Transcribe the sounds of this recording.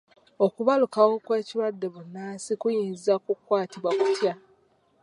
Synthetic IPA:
okuβalukawo̞kwe̞ːciɾwadːe̞βunːaːsikujiːnzakukwaːtiβwakutja

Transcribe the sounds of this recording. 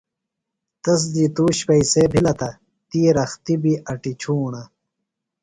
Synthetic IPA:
t̪ɐs̬d̪it̪uːɕpɐisebʱilɐt̪ɐ | t̪iːɾɐxt̪ibiʔɐʈit͡ɕʰuːɳɐ

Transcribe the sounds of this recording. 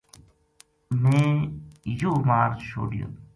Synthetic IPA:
mẽː | joːmaːɾt͡ʃʰo̰ːɖɪjõ̰ː

